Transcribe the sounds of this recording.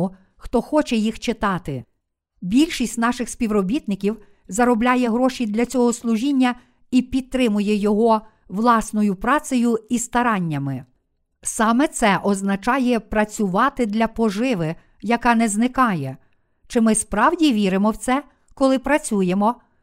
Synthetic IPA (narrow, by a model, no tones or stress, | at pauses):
ʊ | xt̪ɔxɔt͡ʃɛjixt͡ʃɪt̪ɑt̪ɪ | bʲilʲʃisʲtʲnɑʃɪxsʲpʲiwrɔbʲit̪nɪkʲiw | zɐɾɔblʲajɛɦɾɔʃʲid̪lʲɐt͡sʲɔɦɔslˠʊʒinʲːɐ | ipʲid̪̚t̪ɾɪmʊjɛjɔɦɔ | ʋlˠɑsnɔjʊpɾɑt͡s̪ɔjʊist̪ɐɾɑnʲːɐmɪ | sɑmɛt̪sɛʔɔznɐt͡ʃɑjɛpɾɐt͡sʲʊʋɑt̪ɪd̪lʲɐpɔʒɪʋɪ | jɐkɑnɛznɪkɑjɛ | t͡ʃɪmɪspɾɑwdʲiʋʲiɾɪmɔwt̪sɛ | kɔlˠɪpɾɐt͡sʲujemɔ